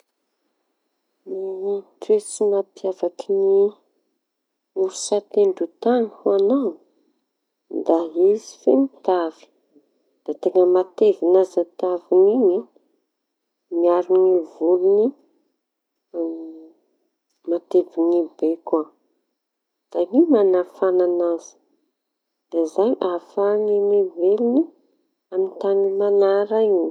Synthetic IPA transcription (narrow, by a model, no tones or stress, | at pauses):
mit̪wet͡sinapjavakini | uɾusat̪eɳɖ͡ʐut̪anihuanan | d̪aɦizi̥femit̪avi̥ | d̪̥at̪eŋəmat̪evinazat̪avinini | miaɾunivuluni | mat̪evinibeka | z̥aɲimanafananaz̥i̥ | d̪̥azaɲʔafaŋinivelini | amint̪animanaɾaiɲi